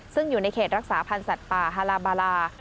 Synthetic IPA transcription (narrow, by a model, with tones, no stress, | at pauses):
sɯ˥˩ŋjuː˨˩na˧jkʰeː˨˩ɾa˦˥k̚saː˩˦pʰa˧nsa˨˩t̪̚paː˨˩ɦaː˧laː˧baː˧laː˧